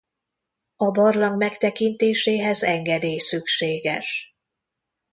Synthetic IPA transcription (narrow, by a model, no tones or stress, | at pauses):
ɒbɒrlɒŋɡmɛkt̪ɛkint̪eːʃeːɦɛzɛŋɡɛd̪eːjsykʃeːɡɛ̰ʃ